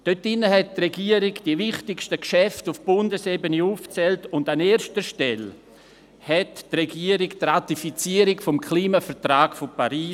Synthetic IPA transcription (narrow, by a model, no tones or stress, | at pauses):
d̥øtɪnəɦɛt̚trɛɡiəɾɪɡd̥ivɪχtɪkʃtəkʃɛftʊfb̥ʊndəsebəniuːft͡sɛltʊndaneːɾʃtəʃtɛl | hɛttrɛɡiəɾiktratifit͡siəɾɪkfɔmkʰliːmafɛtraːkfopaɾiː